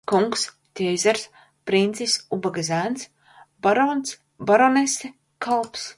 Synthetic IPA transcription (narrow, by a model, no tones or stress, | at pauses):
kuŋks | t̪ʲejzʲaɾs | pɾint̪sisubaɡazʲæns | baɾɔns | baɾɔnest̪e | kʰalˠps